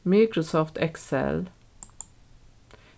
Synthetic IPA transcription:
miːkɹʊsɔft̪ʰɛksɛ̰l

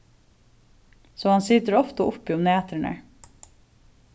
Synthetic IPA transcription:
soːhɑnsɪt̪əɾɔft̪əʊpːiːʊmneːt̪əɳə̰

